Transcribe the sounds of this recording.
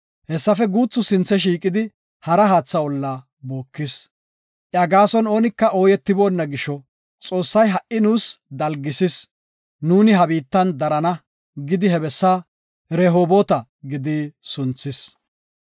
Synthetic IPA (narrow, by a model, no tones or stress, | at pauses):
hɛsːɐfɛɡuːt͡sːʊsɪnt͡sːɛʃ̬iːkʼɪd̪ɪ | hɐɾɐɦaːt͡sːɐwɔlːaː | bo̞ːkːɪs | ʔjaɡaːsɔno̞ːnɪkːɐʔoːjɛt̪ːɪboːnːɐɡɪʃɔ | t͡sʼo̞ːsːɐjɦɐʔʔɪnuːsd̪ɐlɡɪsɪs | nuːnɪɦɐbiːt̪ːɐnd̪ɐɾɐnɐ | ɡɪd̪ɪɦɛbɛsːaː | ɾɛɦo̞ːboːt̪ɐ | ɡɪd̪ɪsʊnt͡sːɪs